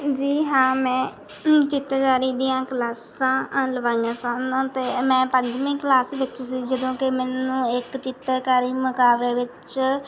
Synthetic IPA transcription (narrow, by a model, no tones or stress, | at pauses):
d͡ʒiːɦãːmɛ̃ː | t͡ʃɪt̪ːkaːɾiːd̪iːjãːklaːs | ãːləʋaːijãːsãːnãːt̪eːmɛ̃ːpəɲd͡ʒmĩːklaːsʋɪt͡ʃsiːd͡ʒəd̪õːkɪmɛːnũːɪkt͡ʃɪt̪ːkaːɾiːmʊkaːʋɾeːʋɪt͡ʃ